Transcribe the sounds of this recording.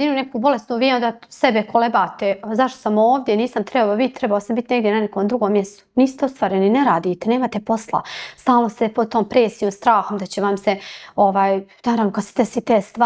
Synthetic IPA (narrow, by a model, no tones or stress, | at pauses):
inunekuːbo̞le̞st̪nuːʋiːo̞nd̪aːsebekolebaːt̪ezaʃt̪osamoːʋd̪jeniːsamt̪ɾebabit̪̚t̪ːɾɛbaosambit̪ʲine̞ɡd̪jenanekoːmd̪ɾuɡoːmːjest̪o̥niːst̪eost̪ʋaːɾenineɾaːd̪iːt̪ene̞ːmaːt̪e̞po̞slˠa̰st̪aːlnosepod̪̚t̪oːmpɾeːsijoːmst̪ɾaːxomd̪at͡ɕeʋamseo̞ʋaːjnaːɾavnokad̪se̥t̪esit̪eːst̪a